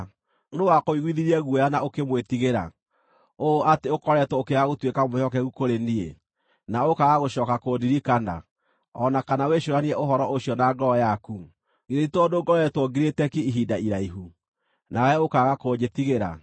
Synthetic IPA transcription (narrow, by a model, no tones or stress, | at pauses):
ndowakoiɣwiðiɾiɛɣuɛjanaokemwetiɣeɾa̰ | oateokɔɾɛtwokeaɣotwekamoɕɔkɛɣukoɾenie | naokaɣaɣoɕɔːkakodiɾikana̰ | ɔnakanaweʃoɾaniɛʔoɦɔɾɔʔoɕjɔnaɡɔɔjaku | iɾeitoːndoɡɔɾɛɛtwɔɡiɾetɛkiiɦidaiɾaiɦu | nawɛokaɣakoːɲd͡ʒetiɣeɾa̰